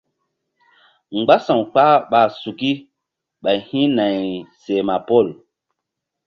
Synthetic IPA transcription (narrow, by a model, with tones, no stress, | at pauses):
ŋ͡mɡ͡ba˦sã˨wk͡pa˦ɓa˨su˨ki˦ | ɓa˨jhĩ˦na˨jse˨ma˨pɔ˦˨l